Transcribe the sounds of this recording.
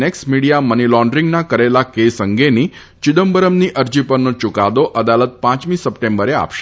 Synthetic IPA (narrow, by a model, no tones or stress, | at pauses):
nɛksmiɽijamənilɔ̃ɳɖɾĩŋɡnakəɾelakesəŋɡeni | t͡ʃɪd̪əmbəɾəmniʔəɾd͡ʒipəɾnot͡ʃʊkad̪oʔəd̪alət̪̚pãt͡ʃmĩsəpʈẽmbəɾea̰pʃe